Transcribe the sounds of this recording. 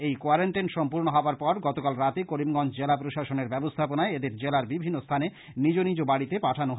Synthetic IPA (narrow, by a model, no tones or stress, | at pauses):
ejkoaɾaɳʈenʃɔmpuɾnoɦɔoaɾpɔɾɡɔt̪okalɾat̪ekoɾimɡɔnt͡ɕd͡ʑelapɾoʃaʃoneɾbɛbost̪ʰaponaeed̪eɾd͡ʑelaɾbibʱinːost̪ʰane | nid͡ʑonid͡ʑobaɽit̪epaʈʰanoɦ